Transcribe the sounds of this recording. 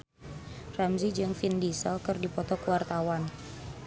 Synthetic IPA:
ramzid͡ʒɨŋfindisəlkɨrdipɔt̪ɔkəwart̪awan

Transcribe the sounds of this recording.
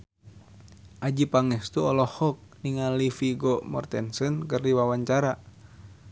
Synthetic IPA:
ʔad͡ʒipaŋɛst̪uɔlɔhɔk̚niŋalifiɡɔmɔ̰rt̪ɛnsɨnkərdiwawaɲt͡ʃaɾa

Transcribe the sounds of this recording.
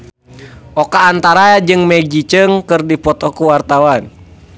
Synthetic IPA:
ʔɔkaːnt̪aɾad͡ʒɨŋmɛɡ̚d͡ʒit͡ʃəŋkɨrdipɔt̪ɔkuwart̪awan

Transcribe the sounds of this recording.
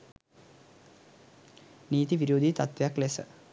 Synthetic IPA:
niːt̪iʋiɾoːd̪ʱit̪at̪ʋjaklesə̰

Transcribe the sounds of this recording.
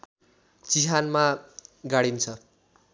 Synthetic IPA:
t͡siɦanmaɡaɽint͡sʰʌ

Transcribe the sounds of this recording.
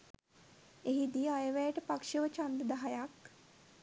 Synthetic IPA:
eɦid̪iajəʋæjəʈəpakʂəʋət͡ʃand̪əd̪aɦajak

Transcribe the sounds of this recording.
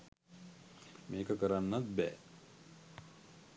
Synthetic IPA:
meːkəkəɾanːat̪̚bɛ̰ː

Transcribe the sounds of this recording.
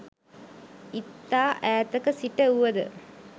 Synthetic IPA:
it̪ːaːʔæːt̪əkəsiʈəuʋɐd̪ə̰

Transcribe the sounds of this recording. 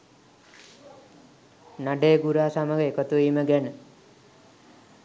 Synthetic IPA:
naɖeːɡuɾaːsaməɡeekət̪uiməɡɛnə

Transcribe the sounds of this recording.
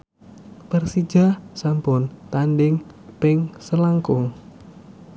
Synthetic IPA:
pərsi̥d͡ʒasampʊnt̪anɖɪŋ | pɪŋsəlaŋkʊŋ

